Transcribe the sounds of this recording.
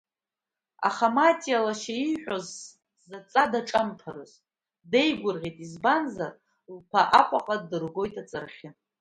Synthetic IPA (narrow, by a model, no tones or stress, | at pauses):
a̰χamatʼialaʃeiħʷᶣozː | at͡sʼadaʈ͡ʂʼamtʰaɾɨz | de̞jɡʷʊrʁʲijtʼizbanzar | lpʰaʔakʷʼaqʼadɨrɡʷo̞jtʼat͡sʼarχʲɪ